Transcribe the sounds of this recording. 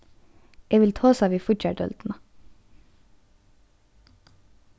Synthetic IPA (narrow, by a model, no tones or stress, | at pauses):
eːʋɪlt̪ʰoːsɑːʋiːfʊʈçæɖœ̰ld̪̥n̩ə